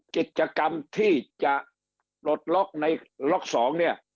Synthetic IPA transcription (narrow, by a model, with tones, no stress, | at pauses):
ki˨˩t̪̚t͡ɕa˧ka˧mt̪ʰiː˥˩t͡ɕa˨˩ʔ | plo˨˩t̪̚lɔ˦˥k̚na˧jlɔ˦˥˩k̚sɔː˩˦ŋni˥˩ɐ